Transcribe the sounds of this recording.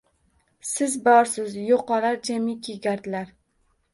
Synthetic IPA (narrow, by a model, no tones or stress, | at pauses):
sɪzbɒɾsɪzjoqɒlaɾd͡ʒamikʲʰeɡʲaɾd̪ɪlaɾ